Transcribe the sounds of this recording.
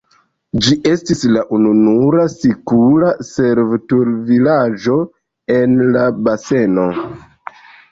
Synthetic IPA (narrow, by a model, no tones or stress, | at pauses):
d͡ʒiʔe̞stislaʔununuɾasikuɾase̞ɾvtuɾvilad͡ʒo̞ | e̞nlabase̞no̞